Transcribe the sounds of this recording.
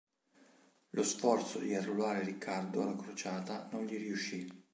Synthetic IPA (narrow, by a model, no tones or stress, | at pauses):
losfɔrt̪sod̪iarːulaːɾeɾikʰːard̪oalːakɾot͡ʃaːt̪anonʎiɾiuʃːi